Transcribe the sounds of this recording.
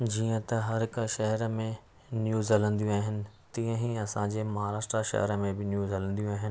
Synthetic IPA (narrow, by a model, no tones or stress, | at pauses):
d͡ʑiːə̃t̪ɐɦɐɾɦɪkʃɐɦəɾmẽ | njuːzɦɐlə̃nd̪ijũaːɦɪnɪ̆t̪ĩːə̃ɦiɐsãɲd͡ʑeːmɐɦaːɾaːʃʈɾaʃɐ̰ɦɛɾəmẽbɪnjuːzɦɐlə̃nd̪ijũaːɦɪnɪɪ